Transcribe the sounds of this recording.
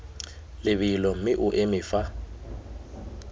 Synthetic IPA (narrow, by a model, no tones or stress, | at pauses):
lɪβilɔm̩mɪʔʊʔemɪːfa